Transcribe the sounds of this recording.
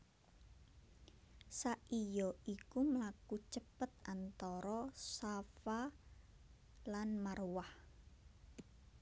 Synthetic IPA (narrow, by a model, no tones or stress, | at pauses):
saʔijɔikuməlakut͡ʃəpət̪̚ant̪ɔɾɔsafa | lanmarwah